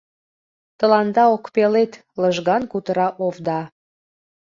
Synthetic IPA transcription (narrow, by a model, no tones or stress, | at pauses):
t̪əlɑnd̪ɑokpelet̪ | ləʒɣɑnkut̪əɾɑʔovd̪ɑ